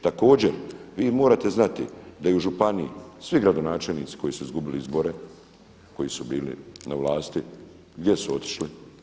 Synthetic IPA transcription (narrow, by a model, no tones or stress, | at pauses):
t̪ako̞ːd͡ʑeɾʋiːmo̞ːɾaːt̪e̞znat̪id̪ajeuʒupaniisʋiɡɾad̪o̞naːt͡ʃe̞lniːt̪si̥ko̞jisuizɡubiliizbo̞ɾe̞ | ko̞jisubiːlḭnaʋlˠaːst̪i | ɡd̪je̞suo̞t̪i̥ʃli